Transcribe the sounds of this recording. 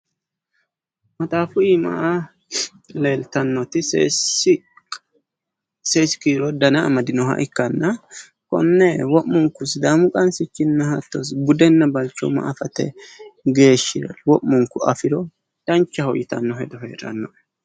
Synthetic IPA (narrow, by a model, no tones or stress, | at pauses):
mɐt̪ʼaːfʊimɐ̰ʔa | le̞ːlt̪ɐnːɔt̪ɪ | seːsɪ̥kiːɾɔd̪ɐnɐmɐd̪ɪnɔɦɐ̰ʔɪkːɐnːɐ | kɔ̰nːɛwɔʔːʊŋkʊs̬d̪aːmʊkʼɐnsɪt͡ʃːɪnːɐhɐt̪ːɔs̬bʊd̪ɛnːɐbɐlt͡ʃːɔ̰mɐ̰ʔɐfɐt̪ɛ̰ɡe̞ːʃːɪɾɛ̰lwɔʔːʊŋkʊɐfɪɾɔ | d̪̥ɐnt͡ʃːɐhɔjɪt̪ɐ̰nːɔɦɛd̪ɔɦḛːɾɐ̰nːɔʔ